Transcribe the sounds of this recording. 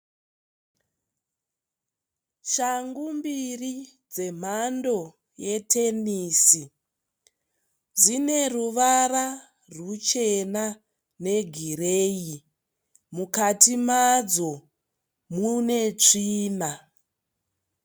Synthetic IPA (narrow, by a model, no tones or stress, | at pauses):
ʃaŋɡumbiri | d͡ze̞m̤ando̞ | jetʰe̞niːsi | d͡zine̞ruʋara | rut͡ʃe̞na | ne̞ɡʱireːi | mukatimad͡zo̞ | mune̞t͡ʂiːna